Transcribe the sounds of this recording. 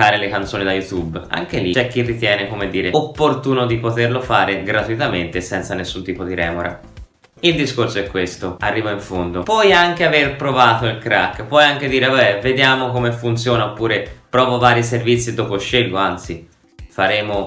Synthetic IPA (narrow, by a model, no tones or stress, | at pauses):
aːɾelekant̪soːnid̪ajut̪uba̰ŋkelit͡ʃɛkːirːit̪jɛːnekomed̪ːiːɾeopːort̪uːnod̪ipot̪erlofaːɾeɡɾat̪uit̪ament̪esɛnt̪sanesːunt̪iːpod̪iɾɛ̰ːmoɾa̰ | ild̪iskorsoɛkːwest̪oarːiːvaiɱfond̪opɔjaŋkeaverpɾovaːt̪oilkɾakːpɔjaŋk̟ed̪iːɾeabɛved̪jaːmokomefunt̪sjoːnaopːuːɾepɾɔːvovaːɾiservit̪sːid̪oːpoʃːelɡoant̪si | faɾɛːmo